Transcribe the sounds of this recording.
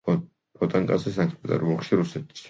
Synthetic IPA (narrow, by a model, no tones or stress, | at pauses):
pʰɔt̪ʼaŋkʼazɛsaŋkspɛt̪ʼa̰ɾbɔχʃiɾusɛt̪ʰi̥s